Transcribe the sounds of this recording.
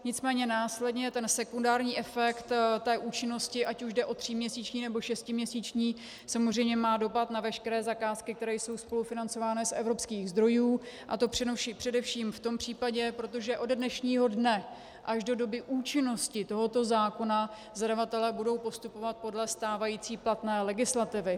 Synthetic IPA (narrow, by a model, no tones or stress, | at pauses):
ɲɪt͡smɛːɲɛnaːslɛdɲɛt̪ɛnsɛkundaːɾɲiːʔɛfɛkt̪t̪ːɛːʔuːt͡ʃɪno̞scɪʔacuʒdɛʔo̞t̪r̝̥ɪmɲɛsiːt͡ʃɲiːnɛbo̞ʃɛscɪmɲɛsiːt͡ʃɲiː | samozrɛjmɲɛmaːdo̞pat̪navɛʃkɛɾɛːzakaːskɪk̚t̪ɛɾɛːjso̞wspo̞lufɪnant͡so̞vaːnɪsʔɛ̰vɾo̞pskiːɣzd̪ɾo̞juːʔa̰t̪o̞pr̥ɛʃipr̥ɛdɛfʃiːmft̪o̞mpr̝̥iːpaɟɛpɾo̞t̪̬o̞ʒɛʔo̞ddnɛʃɲiːɦo̞dnɛ | ʔaʒdo̞do̞bɪʔuːt͡ʃɪno̞scɪt̪o̞ɦo̞t̪o̞zaːko̞na | zadavat̪ɛlɛːbudo̞wpo̞st̪upo̞vat̪̚po̞dlɛst̪aːvajiːt͡siːplat̪nɛːlɛɡɪslat̪ɪvɪ